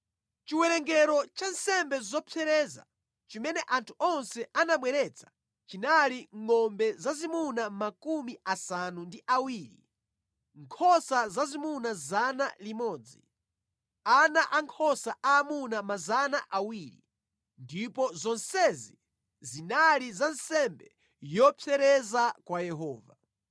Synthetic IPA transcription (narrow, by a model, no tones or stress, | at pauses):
t͡ʃiwɛɾɛŋɡɛɾɔt͡ʃansɛmbɛizɔpʰɛɾɛːza̰ | t͡ʃimɛnɛʔantʰu̥ɔnsɛanamwɛɾɛt͡sʰḁ | t͡ʃinaliŋɔmbɛzazimunamakumiasanundiʔawiːɾḭ | ŋkʰɔsazazimunazanalimɔːd͡zi | anaʔaŋkʰɔsaʔaːmunamazanaʔawiːɾḭ | ndipɔzɔnsɛzi | zinalizansɛmbɛ | jɔpʰɛɾɛzakwajɛɦɔːva̰